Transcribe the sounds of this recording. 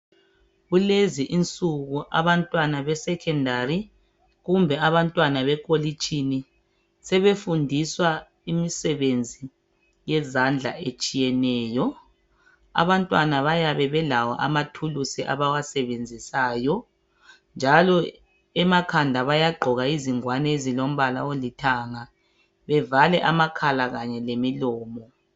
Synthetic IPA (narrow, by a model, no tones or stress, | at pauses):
ɣuleziʔint͡sʼuɣuʔa̰βantʼwanaβɛsɛkʰɛndʱari | ɣumbʱɛaβantʼwanaβɛkʼolit͡ʃʼini | sɛβefundʱiswa | imisɛβend͡zʱi | jɛzand͡ɮʱa̰et͡ʃʼijɛnɛːjɔ | a̰βantʼwanaβajaβɛβɛlawa̰ʔamatʰulusiʔa̰βawasɛβend͡zʱisaːjɔ | nd͡ʒʱalɔ | ɛmakʰandʱaβajaɡ͡ǃʱɔɣaiziŋwanɛːzilom̩βala̰olitʰaːŋa | βɛvalɛʔamakʰalaɣaɲɛlemilɔːmɔ